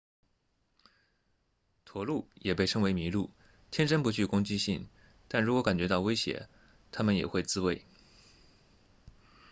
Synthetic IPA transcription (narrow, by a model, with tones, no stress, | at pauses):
t̪ʰwɔ˧˥lu˥˩jɛ˨˩pe˥˩ɪʈ͡ʂʰɤ˥ŋwe˧˥ɪmi˧˥lu˥˩ | t̪ʰjɛ˥nʈ͡ʂə˥npu˧˥t͡ɕʰy˥˩kʊ˥ŋt͡ɕi˥ɕi˥˩ŋ | t̪a˥˩nɻu˧˥kwɔ˧˥ka˨˩nt͡ɕɥɛ˧˥t̪ɑ˥˩ʊwe˥ɪɕjɛ̰˧˥ | t̪ʰa˥mə˨njɛ̰˨˩xwe˥˩ɪt͡sɹ̩˥we˥˩ɪ